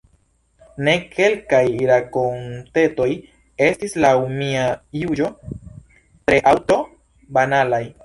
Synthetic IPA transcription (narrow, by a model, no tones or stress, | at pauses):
ne̞kʰe̞lkajɾakont̪eto̞j | e̞stislaumiajud͡ʒo̞ | tɾeʔawto̞ | banalaj